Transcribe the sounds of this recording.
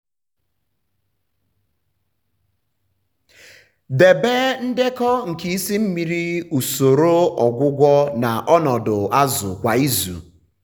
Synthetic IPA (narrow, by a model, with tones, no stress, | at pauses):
de˨be˦n̩˦dɪ˦kɔ˦ŋ̩˨ki˦i˦si˦m̩˦mi˦ɾi˦u˨so˨ɾo˦ɔ˨ɡʷʊ˦ɡʷɔ˦na˨ʔɔ˦nɔ˨dʊ˨a˦zʊ̰˨kʷa˨i˦zṵ˨